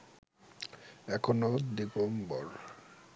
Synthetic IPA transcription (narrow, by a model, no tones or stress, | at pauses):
ɛkʰonod̪ipombɔ̰ɾ